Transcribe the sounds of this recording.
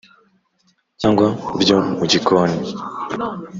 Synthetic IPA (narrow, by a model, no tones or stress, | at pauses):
aŋɡwabɟomuɟikʰoːni